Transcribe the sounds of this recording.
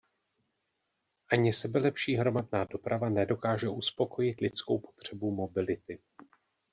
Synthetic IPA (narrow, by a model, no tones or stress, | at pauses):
ʔaɲɪsɛbɛlɛpʃiːɦɾo̞madnaːdo̞pɾʔavanɛdo̞kaːʒɛʔuspo̞ko̞jɪt̪lɪt͡sko̞wpo̞̥t̪r̝̥ɛbumo̞bɪlɪt̪ɪ